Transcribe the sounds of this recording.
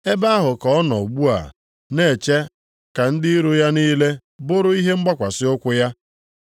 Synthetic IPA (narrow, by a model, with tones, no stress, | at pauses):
e˦ba˦a˦ɦʊ˨kɔ˨˦nɔ˨ɡ͡bu˦a̰˨ | ne˨t͡ʃe˦ | ka˨n̩˦dɪ˦i˦ɾu˦ja˦ni˦le˦ | bʊ˦ɾʊ˦i˦ɦe˦ŋ͡m̩˦ɡ͡ba˦kʷa˨sɪ˦ʊ˦kʷʊ˦ja˦